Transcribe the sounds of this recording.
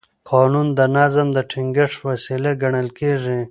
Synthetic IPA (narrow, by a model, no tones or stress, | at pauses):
qʰɑnund̪ənazamd̪əʈʰiŋɡɪʂwasileɡaɳəlkeʐi